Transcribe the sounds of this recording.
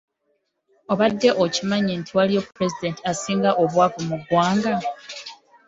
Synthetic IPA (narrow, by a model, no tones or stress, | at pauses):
o̞βadːe̞ʔocimaɲentʰiwalijopɾe̞zide̞ːntiasiːŋɡaʔoβwaːkumuɡwaːŋɡa